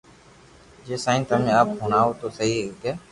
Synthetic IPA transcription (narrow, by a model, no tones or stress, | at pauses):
d͡ʒeːsãːɪ̃nt̪ʰəmẽaːpɦʊnaːot̪oːsəɦikɛː